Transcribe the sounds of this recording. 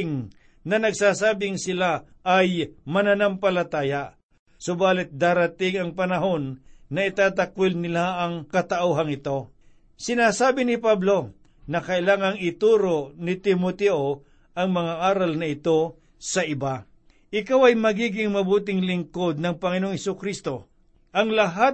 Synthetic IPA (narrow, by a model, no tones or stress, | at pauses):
ŋ | nɐnɐɡsaːsaːbɪŋsɪla | ʔɐjmɐnanampɐlɐt̪aːja | sobaːlɪt̪̚d̪aːɾɐt̪ɪŋɐŋpɐnɐɦo̞nːɐɪt̪aːt̪ɐkwɪlnɪlaɐŋkɐt̪ɐʔoːɦɐŋɪt̪o̞ | sɪnaːsaːbɪnɪpablo̞ | nɐkɐʔɪlaːŋɐŋɪt̪uːɾoʔnɪt̪ɪmot̪ɛʔo | ʔɐŋmɐŋaʔaːɾɐlnɐɪt̪o̞ | sɐʔɪba | ʔɪkawɐjmɐɡiːɡɪŋmɐbuːt̪̬ɪŋlɪŋkod̪̚nɐŋpɐŋɪnoŋhɛsʊkɾist̪o̞ | ʔɐŋlɐɦat̪̚